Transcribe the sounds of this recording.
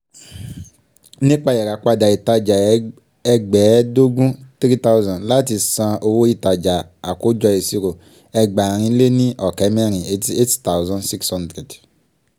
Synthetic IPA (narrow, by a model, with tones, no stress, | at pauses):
ne˦k͡pa˦jɛ˨ɾa˨k͡pa˦da˨i˨ta˦d͡ʒa˨ | ɛ˦ɡ͡bɛ˨˦do˦ɡũ˦tɾi˦ta˦u˦zã˨n˨la˦t̬i˨sã˨˧ʔo˨wo˦i˦ta˨d͡ʒa˨a˨ku˦d͡ʒɔ˧e˨si˦ɾo˨ | ɛ˦ɡ͡ba˨ɾ̃ĩ˦le˦nĩ˦ʔɔ˨kɛ˨˦m˦e˦ɾĩ˨e˦ti˦e˦tta˨wzã˦nsi˦kshɔ̃˦ndɾe˨d